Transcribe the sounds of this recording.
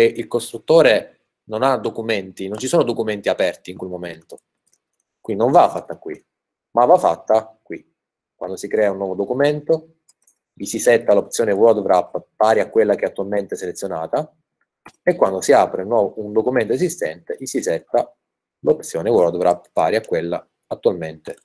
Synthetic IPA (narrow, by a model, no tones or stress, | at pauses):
eʔilkost̪ɾut̪ːoːɾe | nonad̪okument̪inont͡ʃisoːnod̪okument̪iapɛrt̪iːŋkwelmoment̪o | kwind̪inõɱvafːat̪ːakːwḭ | mavːafːa̰t̪ːakwi | kːwa̰nd̪osikɾɛːaunːɔːvod̪okument̪o | isisɛt̪ːalop̚t̪sjoːnewɔd̪vɾapːaːɾiakːwelːak̟eat̪ːualment̪eɛsːelet̪sːjonaːt̪a | ekːwand̪osiaːpɾeunːwɔːvound̪okument̪oez̬ist̪ɛ̰nt̪eisisɛt̪ːa | lop̚t̪sjoːnewɔd̪vɾapfa̰ːɾiakːwelːa̰ | at̪ːualment̪e